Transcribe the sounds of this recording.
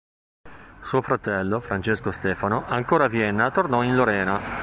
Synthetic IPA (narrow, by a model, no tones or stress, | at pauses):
suːofɾat̪ɛlːofɾant͡ʃeskost̪ɛːfanoʔaŋkoːɾavjɛnːat̪ornɔinloɾɛːna